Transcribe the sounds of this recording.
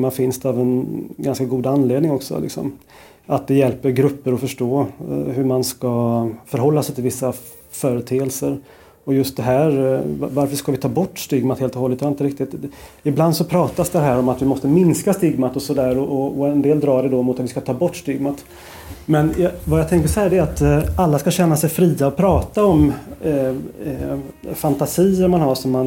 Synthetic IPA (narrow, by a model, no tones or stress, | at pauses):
mafɪnst̪avɛnɡanskaɡuːd̪anːleːd̪nɪŋɔksɔ̰lɪ̰ksɔ̰m | at̪̚d̪ɛjɛlpəɾɡɾɵpːəɾɔfœʂʈoːɦɵmanskafœɾɦɔlːasɛjt̪ʰɪlvɪsːa | fœːɾət̪ʰeːɛlsəɾ | ɔjɵst̪̚d̪ɛɦæːɾvaɾfəʂkavɪt̪ʰɑːbɔʈːst̪ʏɡmat̪heːlt̪ɔhɔlːət̪hæɛɾɪnt̪əɾɪk̚t̪ɪt̪ɪbland̪sɔpʰɾɑːt̪asd̪ɛɦæːɾɔmat̪vɪmɔst̪əmɪnskast̪ɪɡmat̪ɔsɔd̪æːɾɔʔɔɔɛnd̪eːld̪ɾɑːɖɛd̪ɔmʊt̪at̪vɪ̥skat̪ʰɑːbɔʈːst̪ɪɡmat̪ | mɛnjvajat̪ʰɛŋkəʂɔhæːɖɛat̪alːaskaɕɛnːasɛjfɾiːaɔpʰɾɑːt̪aɔm | fant̪asiːəɾmanɦaʂɔmːan